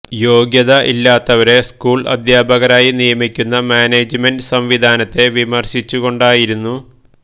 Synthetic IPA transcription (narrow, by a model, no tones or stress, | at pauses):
jo̞ːɡjɐðɐʔilːaːt̪ːɐʋɐɾe̞skuːɭɐ̰d̪ʱjaːbɐɣɐɾaːjinijɐmikʲːunːɐmaːneːd͡ʑmendsɐmʋid̪ʱaːnɐt̪ːe̞ʋimɐrɕit͡ɕːuɣo̞ɳɖaːjiɾunːu